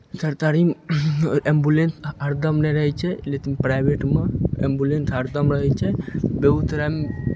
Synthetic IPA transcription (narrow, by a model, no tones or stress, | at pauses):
səɾt̪aɾim | embulensəɾd̪əmnɛɾəɦɛt͡ʃʰɛlek̪inpɾajbeʈmeḛmbulensɦəɾd̪əmɾəɦɛt͡ʃʰɛbeɦut̪ɾam